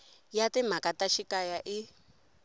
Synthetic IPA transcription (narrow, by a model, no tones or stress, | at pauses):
jatɛm̤akataʃikajaʔi